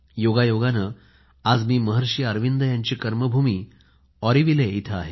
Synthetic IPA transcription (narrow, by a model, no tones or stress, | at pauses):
joɡajoɡanə | ad͡zmiːməɦəɾɕiːəɾʋind̪əjaɲt͡ɕiːkəɾməbʱumiː | ɔɾiʋileit̪ʰəaɦe